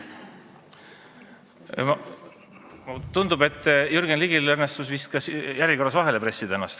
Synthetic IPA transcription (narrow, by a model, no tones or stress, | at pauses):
m | mt̪und̪̥ube̞t̪ːˑjyrɡ̥enliɡilɤrnest̪usvist̪̚kɑsjæɾjiko̞rːɑsvɑɦe̞le̞pɾe̞sːid̪̥eenːɑ̰st̪